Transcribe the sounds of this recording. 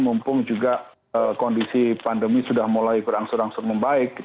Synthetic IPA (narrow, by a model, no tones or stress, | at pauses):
mumpʊŋd͡ʒuɡaʔ | əkɔndisipandəmisudahmolajbəɾaŋsʊɾaŋsʊk̚məmbaɪk̚ːi